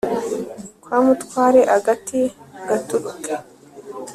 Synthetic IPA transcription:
kwaːmut̪kwaːɾeʔaɡatiɡ̥atuɗukʼ

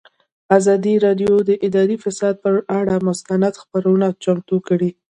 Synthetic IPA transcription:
azɑd̪iɾɑɖjod̪əʔɪd̪ɑɾifɪsɑd̪̚pəʔaɽamʊst̪anad̪xpaɾawənat͡ʃamt̪ukəɽi

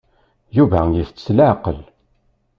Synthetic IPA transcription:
juvæjəft͡sə̥slaʕqəl

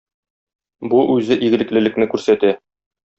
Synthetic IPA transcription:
buʔʉzɘʔiɡɘ̆ɘ̆klɘ̆lɘ̆knɘkʉɾsæt̪æ

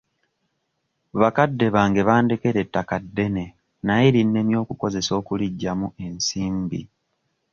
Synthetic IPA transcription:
βakadːe̞βaːŋɡe̞βaːnde̞ke̞ɾe̞tːakadːe̞ne̞ | najeɾinːe̞mjo̞ːkuko̞ze̞so̞ːkuliɟːamue̞nsiːmbḭ

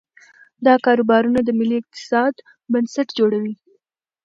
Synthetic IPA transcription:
d̪ɑkɑɾobɑɾunad̪əmɪliɪq̚t̪ɪ̥sɑd̪ | bansaʈd͡ʒoɽawi

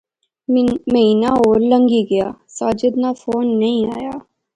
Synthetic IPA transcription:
məɦiːnaːoːɾləŋɡiːɡəja̰ːsaːd͡ʒəd̪naːfʰoːnːəĩːaːjaː

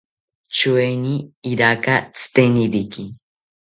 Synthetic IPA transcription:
t͡ʃueniːɾakat͡sɨ̥t̪eniɾiki

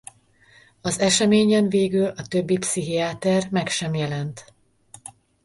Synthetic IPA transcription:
ɒzɛʃɛmeːɲɛɱveːɡylɒt̪ø̞bːipsiɦiaːt̪ɛrmɛkʃɛmjɛlɛnt̪

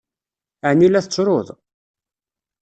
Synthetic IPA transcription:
əʕnːilæθt͡sːɾˤoðˤ

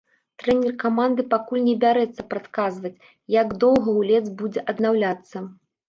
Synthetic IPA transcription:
t̪ɾɛnʲɛrkamand̪ɨpakulʲnʲɛbʲaɾɛt̪sːɐpɾat̪kazvɐt͡sʲ | jaɡd̪ɔwɣɐwlʲɛd̪zbud͡zʲɛʔɐd̪nawlʲat̪sːɐ

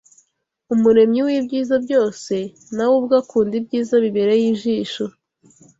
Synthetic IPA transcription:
umuɾe̞mɲiwibɟiːzabɟo̞ːse̞ | nawubɡakʰuːndibɟiːzaβiβeɾejiːʒiːʃo

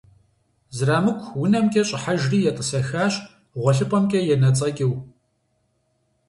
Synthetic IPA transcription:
zraːmɨkʷʰʼwʊnɐmkʲʼɐɕʼɪħaʒriːjɛtʼɨsɐxaːɕ | ʁʷɔɬɨpʼɐmkʲʼɐjɛnɐt͡sʼɐɡʲʼɪw

